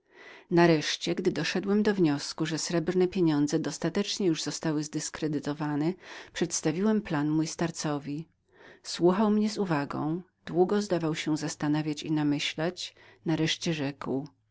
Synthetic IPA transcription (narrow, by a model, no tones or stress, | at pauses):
naɾɛʂt͡ɕɛɡd̪ɘd̪ɔʂɛd̪wɛmd̪ɔvɲɔskuʐɛsɾɛbɾnɛpʲjeɲɔnd̪zɛd̪ɔst̪at̪ɛt͡ʂɲɛjuʐzɔst̪awɘzd̪ɘskɾɛd̪ɘt̪ɔvanɛpʂɛt̪st̪avʲiwɛmplanmujst̪aɾt̪sɔvʲi | swuxawmɲɛzuvaɡɔ̰̃w̃ | d̪̥wuɡɔzd̪avawɕɛzast̪anavʲjat͡ɕḭnamɘɕlat͡ɕnaɾɛʂt͡ɕɛʐɛkw